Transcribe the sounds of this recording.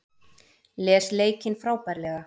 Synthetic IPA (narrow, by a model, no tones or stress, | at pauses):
lɛːsleːjcɪnfɾaːwpajɾlɛːɣa